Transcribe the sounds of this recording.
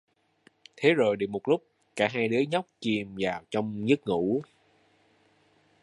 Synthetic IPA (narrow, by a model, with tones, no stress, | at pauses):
t̪ʰe˨˦zo˨˩jɗə˨˩wmo˨˩t̚lʊ˦˥k͡p̚ | kaː˧˩ɦaː˧jɗɨ˨˦ɲɔ˦˥wk͡p̚t͡ɕi˨˩mvaː˨˩wt͡ɕɔ˧wŋ͡mɲɨ˦˥k̚ŋṵ˧˥